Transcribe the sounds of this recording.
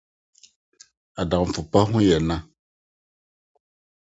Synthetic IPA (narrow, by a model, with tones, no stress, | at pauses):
a˨da˨ɱ̩˨fu˨pa˦ɦũ˦jɛ˨na˦